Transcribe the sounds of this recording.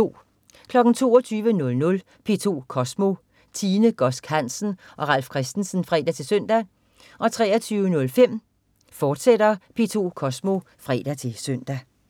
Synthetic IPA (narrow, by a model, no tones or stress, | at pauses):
o̝̰ː | kʰlɒ̽ɡ̥n̩t͡sʰo̝̰ːɒt͡sʰyːʋənɔ̽lnɔ̽l | pʰe̝ːt͡sʰo̝ːkʰɒ̽smo̝ | t͡sʰiːnəɡ̥ɒ̽sɡ̥hæn̰sn̩ | ʔɒ̽ʁɑ̈l̰fkʰʁɛsd̥n̩sn̩fʁɛ̰ːd̥æt͡sʰe̝lsøn̰d̥æ | ʔɒ̽t͡sʰʁɛ̰ːɐt͡sʰyːʊənɔ̽lfem̰ | fɒːd̥sed̥ɐpʰe̝ːt͡sʰo̝̰ːkʰɒ̽smo̝ | fʁɛ̰ːd̥æt͡sʰe̝lsøn̰d̥æ